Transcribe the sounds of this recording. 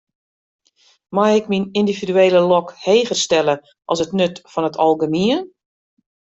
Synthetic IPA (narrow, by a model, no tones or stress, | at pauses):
majɪkminindividyeːləlɔkheːɣərstɛlə | ʔɔlˠsətnøtfɔnətʰɔlˠɡəmiən